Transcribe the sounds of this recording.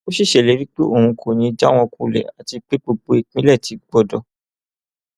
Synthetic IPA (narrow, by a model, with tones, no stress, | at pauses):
o˦ʃi˦˨ʃɛ˨le˨˦ɾi˦k͡pe˦ʔo˦˨ũ˧kʰo˨nĩ˨˧d͡ʒa˦w̃ɔ̃˧ku˧˨lɛ̰˨a̰˨ti˧k͡pe˦k͡po˧k͡po˦i˦˨k͡pĩ˦lɛ˦˨ti˨˧ɡ͡bɔ˦˨dɔ˧